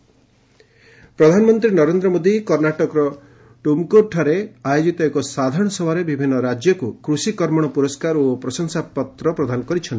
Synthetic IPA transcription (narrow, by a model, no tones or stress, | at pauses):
pɾɔd̪ʱanɔmɔnt̪ɾinɔɾend̪ɾɔmod̪ikɔɾnaʈɔkɔɾɔ | ʈumkoɾʈʰaɾeajod͡ʒit̪ɔekɔsad̪ʱaɾɔɽ̃ɔsɔbaɾebibʱinːɔɾad͡ʒjɔkukɾusikɔɾmɔɽ̃ɔpuɾɔskaɾopɾɔsɔŋsapɔt̪ɾɔpɾɔd̪ʱanɔkɔɾit͡ʃʰni